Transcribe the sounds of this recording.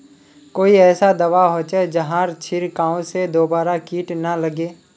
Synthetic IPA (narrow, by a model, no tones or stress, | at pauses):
koːiɛːsad̪ɐʋaɦoːt͡ʃed͡ʒɐɦãɾt͡ʃʰɪɾkãːõsed̪oːbaːɾakiːʈnɐlɐɡeː